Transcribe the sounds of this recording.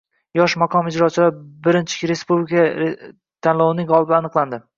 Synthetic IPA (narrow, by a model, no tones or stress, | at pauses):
jɒʃmaqʰɒmɪd͡ʒɾɒt͡ʃʰɪlaɾbɪɾɪnt͡ʃʰɪ̥kʲɾe̞spublikʰa | t̪ʰanlˠawɪnɪŋʁɒlˠbɪanɨqlˠand̪ɪ